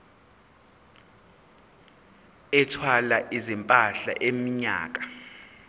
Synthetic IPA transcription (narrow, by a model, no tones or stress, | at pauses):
ɛtʰwalaʔizimpʼaɬa̰ʔemiɲa̰ːk̬ḁ